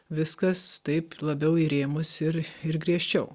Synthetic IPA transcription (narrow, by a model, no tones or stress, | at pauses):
ʋʲɪskɐst̪ɐɪplˠɐbʲɛʊiɾʲeːmʊsɪɾɪɾɡɾʲiɛʃʲt͡ʃʲɛʊ